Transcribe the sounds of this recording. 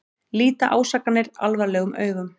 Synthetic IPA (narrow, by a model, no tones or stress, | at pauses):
liːt̪aʔaːwsaːkːanːɪɾa̰lvaɾlɛːɣʏmʔœːɥɣʏm